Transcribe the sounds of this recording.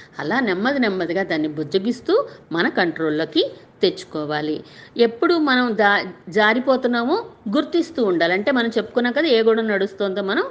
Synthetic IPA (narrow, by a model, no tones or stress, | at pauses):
ɐ̰laːnemːɐd̪inɛmːɐd̪iɡaːd̪aːnːibud͡ʒɐɡist̪uːmɐnɐkɐɳʈɾo̞ːlːoːkit̪e̞t͡ʃːu̥kɔːʋaːlie̞pːuɽumɐnɐmad͡ʒaːɾipoːt̪unːaːmoːɡuɾt̪ist̪uːɳɖaːlɐɳʈe̞ːmɐnɐmt͡ʃe̞pːu̥kunːaːkɐd̪aeːɡuːɽɐnɐɽust̪oːnd̪oːmɐnɐm